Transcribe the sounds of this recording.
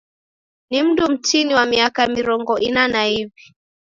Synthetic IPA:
nim̩dum̩t͡ʃiniwamiakamiɾɔŋɡɔʔinanahivi

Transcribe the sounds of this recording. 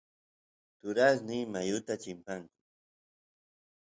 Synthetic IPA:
t̪ʊɾasnɪjmajʊt̪at͡ʃɪmpaŋkʊ

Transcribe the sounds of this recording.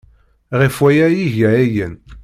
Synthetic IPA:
ʁifwæjæjiʝææjən

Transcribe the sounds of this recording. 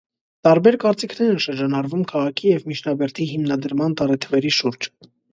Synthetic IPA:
t̪ɑɾbɛɾkɑɾt͡sikʰnɛɾɛnʃəɾd͡ʒɑnɑɾvumkʰɑʁɑkʰijɛvmit͡ʃʰnɑbɛɾt̪ʰiɦimnɑd̪əɾmɑnt̪ɑɾɛt̪ʰəvɛɾiʃuɾd͡ʒ

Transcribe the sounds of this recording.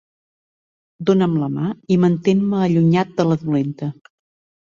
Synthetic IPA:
d̪onəmləmaimənt̪enməːʎuɲat̪̚d̪ələðulent̪ə

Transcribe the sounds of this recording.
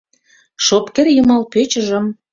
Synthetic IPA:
ʃopkerjumɑlpøt͡ɕə̆ʒə̆m

